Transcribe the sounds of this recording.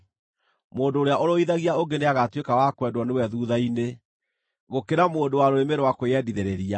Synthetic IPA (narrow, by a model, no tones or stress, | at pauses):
moːndoːɾeaʔoɾoiðaɣiaoŋɡeneaɣatwekawakwɛdwɔnewɛðuːðaine | ɣokeɾamoːndowaɾoɾemeɾowakojɛdiðeɾeɾia